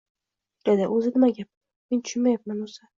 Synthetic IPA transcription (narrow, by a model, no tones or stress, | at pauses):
d̪̥ed̪ɪʔɵzɪnɪmaɡʲap̚ | ment̪ʰʊ̥ʃʊnmajap̚manosa